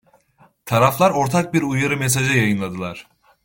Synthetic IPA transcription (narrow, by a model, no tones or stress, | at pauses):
t̪ʰaɾaflˠaɾo̞ɾt̪ʰak̚biɾujaɾɯmes̬aʒajajɯnlˠad̪ɯlˠaɾ̥